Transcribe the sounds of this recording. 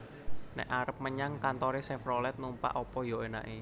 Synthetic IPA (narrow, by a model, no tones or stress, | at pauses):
nɛ̰ʔaɾəp̚məɲaŋkant̪ɔɾesɛfɾɔlɛt̪̚numpa̰ʔɔpɔjoena̰ʔe